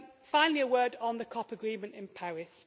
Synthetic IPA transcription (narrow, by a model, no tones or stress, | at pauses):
fãɪ̃nliəwɜːdn̩ðəkʰɒpəɡɹĩːmə̃ntɪ̃npʰaɹɪs